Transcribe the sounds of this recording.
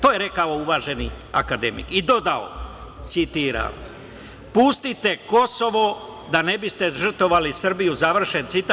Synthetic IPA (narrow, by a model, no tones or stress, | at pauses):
t̪o̞jeɾe̞kao̞uʋaːʒe̞nia̰kad̪emḭkid̪o̞d̪ao̰t̪sit̪iːɾa̰m | pust̪it̪e̞ko̞so̞ʋo̞ | d̪ane̞bist̪e̞ʒr̩t̪o̞ʋalisr̩bijuzaʋr̩ʃe̞nt̪sit̪a